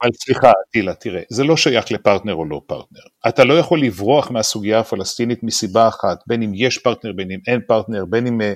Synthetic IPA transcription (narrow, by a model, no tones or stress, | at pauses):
avalsliχat̪ilatiʁezelo̞ʃajaχlepaʁt̪neʁo̞lo̞pa̰ʁt̪neʁatalo̞jaχo̞lːivʁoaχmeasuɡijaːfalast̪init̪misibaːχatbe̞nimjeʃpaʁtneʁbenime̞npaʁtneʁbe̞nim